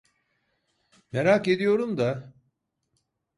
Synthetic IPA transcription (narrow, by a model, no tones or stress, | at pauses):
meɾake̞d̪ijo̞ɾumd̪a